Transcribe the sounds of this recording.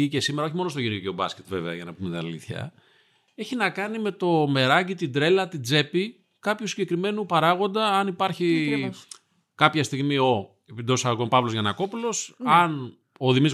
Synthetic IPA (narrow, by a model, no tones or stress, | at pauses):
ice̞simeɾɐo̞çimo̞nost̪oʝiniokeobɐsce̞t̪ve̞veɐʝɐnɐpumet̪inɐ̰liθçɐ̰ | e̞çinɐkɐnime̞t̪o̞me̞ɾɐɟit̪id̪ɾe̞lɐt̪id͡ze̞pi | kɐpçusiɲɟekɾime̞nupɐɾɐɣo̞nd̪ɐːnipɐɾçi | kɐpçɐst̪iɣmio̞ | epid̪osɐɣompɐvlozʝɐnɐko̞pulo̞sɐn | o̞ðimiz